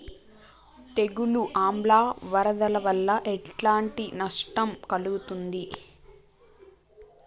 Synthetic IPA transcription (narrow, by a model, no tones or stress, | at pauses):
t̪e̞ɡuluʔaːmblaːʋɐɾɐd̪ɐlɐʋɐlːɐʔɛʈlaːɳʈinɐʂʈɐmkɐluɡut̪und̪i